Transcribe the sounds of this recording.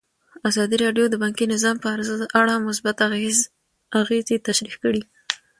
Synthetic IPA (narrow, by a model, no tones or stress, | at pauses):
azɑd̪iɾɑɖjod̪əbɑŋkinɪzɑmpəaɾaɽamʊs̬bat̪z | aɣezet̪aʃɾixkəɽi